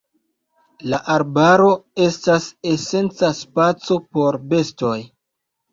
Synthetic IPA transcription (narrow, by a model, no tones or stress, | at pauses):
laʔaɾbaɾo̞e̞stase̞se̞nt͡saspat͡so̞po̞ɾbe̞sto̞j